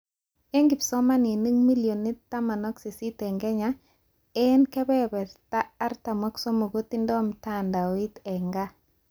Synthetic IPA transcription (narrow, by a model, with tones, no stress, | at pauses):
e˦ŋɡi˨psɔ˦ma˦ni˨ni˦ŋmi˦ljo˨nːi˦ta˦ma˨nɔ˦ksi˨si˦tɛ˨ŋɡɛ˦ɲa˦ | ɛ˦nkɛ˦bɛ˦bɛ˨ɾtaː˦ɾta˨mɔ˦kso˦mo˨ɡo˦t̪i˦ndɔ˦mta˦˨nda˨wi˦t̪ɛ˨ŋɡa˦